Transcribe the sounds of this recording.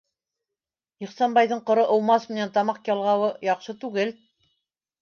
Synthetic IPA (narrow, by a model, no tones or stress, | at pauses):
iχsɑnbɑjðɤɴqŏɾɤʔŏw̪ˠmɑsmɘ̆nænt̪ɑmɑqjɑlˠʁɑwɤjɑqʃɤt̪ʉɡɘl